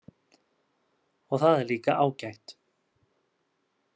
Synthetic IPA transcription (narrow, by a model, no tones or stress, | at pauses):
ɔɣθaðɛɾliːkaʔaːwcajht̪